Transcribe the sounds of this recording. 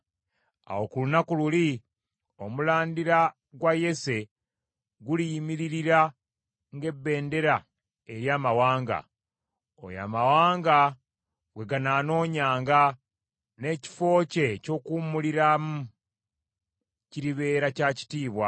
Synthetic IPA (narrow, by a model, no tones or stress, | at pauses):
a̰wo̞kulunakululi | o̞mulaːndiɾa | ɡwaje̞se̞ | ɡulijimiɾiɾiɾa | ŋɡe̞bːe̞ːnde̞ɾa | e̞ɾjaːmawaːŋɡa̰ | o̰ja̰ːmawaːŋɡa | ɡwe̞ɡanaːno̞ːɲaːŋɡa | ne̞ci̥fo̞ːce̞co̞ːkumuliɾamu | ciɾiβe̞ːɾacaci̥tiːβwa̰